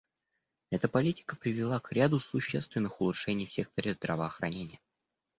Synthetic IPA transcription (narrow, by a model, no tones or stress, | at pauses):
ɛt̪əpɐlʲitʲɪ̥kəpɾʲɪvʲɪlˠakɾʲad̪ʊsʊɕːe̞̰st̪vʲɪnːɨxʊlˠʊtʂɛnʲɪjfsʲe̞k̚t̪əɾʲɪzd̪ɾəvəːxɾɐnʲenʲɪjə